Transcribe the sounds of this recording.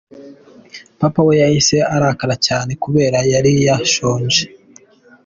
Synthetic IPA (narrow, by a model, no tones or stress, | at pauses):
papawejahise̞aɾakaɾacaːne̞kuβe̞ːɾajaɾijaʃoːɲd͡ʒe